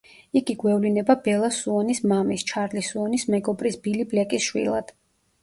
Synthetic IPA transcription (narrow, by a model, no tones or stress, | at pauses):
iɡiɡwɛvlinɛbabɛlˠasuɔnismamist͡ʃʰaɾlisuɔnismɛɡɔbʼɾisbiliblɛkʼisʃwḭlˠa̰d̪̥